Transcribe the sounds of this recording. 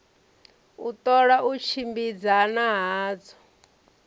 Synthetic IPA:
ut̪ʼɔɺaʔut͡ʃʰimbid͡zanaɦaːd͡zɔ

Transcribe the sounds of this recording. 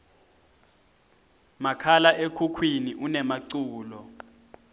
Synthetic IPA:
makʰalaʔekʰukʰwiniʔunɛmaǀuːlɔ

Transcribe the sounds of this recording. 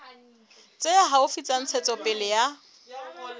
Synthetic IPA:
t͡sʼejaɦaʊfit͡sʼan̩t͡sʰɛt͡sʼɔpʼɪlɪja

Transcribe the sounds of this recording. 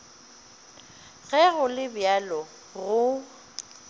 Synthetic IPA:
ɣɛɣʊlɪbjalɔ | ɣʊ

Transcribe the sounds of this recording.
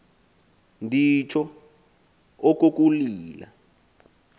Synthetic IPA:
ndʱit͡ʃʰɔ | ok̬uk̬ʼuliːla̰

